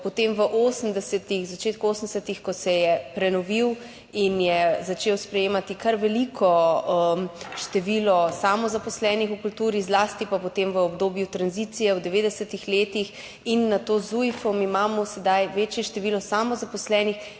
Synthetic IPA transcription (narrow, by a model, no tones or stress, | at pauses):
pɔt̪emʋəʔoːsənd̪ɛsɛt̪ixzat͡ʃeːt̪̚kuoːsən̩d̪ɛsɛt̪ixkɔsɛjɛpɾɛnɔʋiw | injɛzat͡ʃeːwspɾɛjeːmat̪ikaɾʋɛlikʰɔ | ʃt̪ɛʋiːlɔsamɔzapɔslɛːnixukult̪uːɾizlaːst̪ipapɔt̪emʋəɔbd̪oːbjut̪ɾanzit̪sijɛwd̪ɛʋeːd̪ɛsɛt̪ixleːt̪ix | inːat̪ozujfɔmimaːmɔsɛd̪ajʋeːt͡ʃjɛʃt̪ɛʋilɔsamɔzapɔslɛːnix